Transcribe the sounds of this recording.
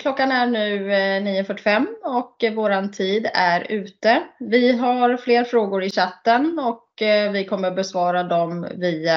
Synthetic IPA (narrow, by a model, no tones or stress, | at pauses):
kʰlɔkːanæɳʉ̟ːniːʊfœʈːɪfɛmːɔkvoːɾant̪ʰiːd̪æɾʉ̟ːt̪əvɪɦaɾfleːɾfɾoːɡʊɾɪɕat̪ːənɔkvɪkʰɔmːəɾbɛsvɑːɾad̪ɔmviːa